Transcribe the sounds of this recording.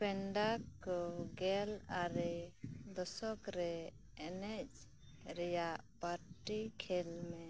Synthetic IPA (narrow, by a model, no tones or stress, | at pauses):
pɛɳɖakːɔɡɛlaɾɛd̪ɔsɔkɾɛ | ɛnɛc̚ | ɾɛjaʔpaɾʈikʰɛlmɛ